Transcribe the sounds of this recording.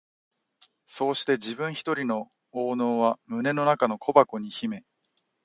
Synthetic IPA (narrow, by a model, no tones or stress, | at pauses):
so̞ːɕi̥t̪e̞d͡ʑibɯ̟̃ɰ̃çi̥t̪o̞ɾʲino̞ | oːno̞ːβamɯ̟ne̞no̞nakano̞kʰo̞bako̞ɲ̟içime̞